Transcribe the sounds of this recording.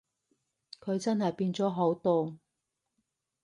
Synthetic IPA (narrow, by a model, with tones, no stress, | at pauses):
kʰɵ˨˧ɥt͡sɐ˥nɦɐ˨jpiː˧nt͡sɔː˨˥ɦo˨˥wt̪oː˧